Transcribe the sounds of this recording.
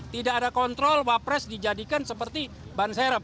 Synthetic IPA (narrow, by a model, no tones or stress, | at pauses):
t̪idaadakɔnt̪ɾɔlwapɾɛsdid͡ʒadikansəpərt̪i | bansɛɾəp̚